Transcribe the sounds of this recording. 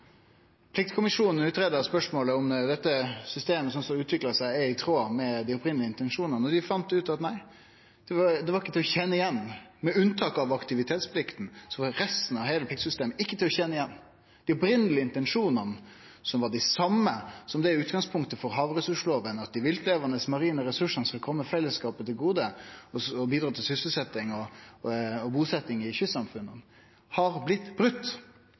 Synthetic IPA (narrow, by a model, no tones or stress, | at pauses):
pʰlɪkt̪kʰʊmɪʂuːnən̩ʉːt̪ɾeːd̪əɾspœʂmoːləɔmd̪ɛt̪ːəsʏst̪eːməsɔnsɔʉːt̪ʰʋɪklɑsæɪɛɾɪt̪ʰɾoːɑmɛd̪ɪɔpɾɪnlɪəɪnt̪ɛnʂuːnɑnɔd̪ɪfɑnt̪ʉːt̪ɑt̪næɪ | d̪̥ɛʋɑɾd̪ɛʋɑɾɪkːət̪ɪlːɔçɛnːəɪjɛnːmɛʉnt̪ʰɑːkɑʋɑkt̪ɪʋɪt̪ʰeːt̪spʰlɪkt̪n̩sɔʋɑɾɛst̪n̩ɑʋɦeːləpʰlɪkt̪sʏst̪eːməɪkːət̪ʰɪlɔçɛnːəɪjɛnː | d̪̥ɪɔpɾɪnəlɪəɪnt̪ɛnʂuːnənə | sɔmʋɑɖɪsɑmːəsɔmd̪ɛæʉːt̪ɡɑŋspʰʊŋkt̪əfɔɾɦɑːʋɾɛsʉʂloːʋənɑt̪̚d̪ɪʋɪlt̪leːʋɑnəsmɑɾiːnəɾɛsʉʂənəsɑlkʰɔmːəfɛlːəskɑːpət̪ʰɪlɡuːd̪əɔsɔbiːd̪ɾɑːt̪ɪlsʏsəl̩sɛt̪ːɪŋɔ | ɔbuːsɛt̪ːɪŋɪçʏsɑmfʉnːən | hɑɾblɪt̪ːbɾʉt̪ː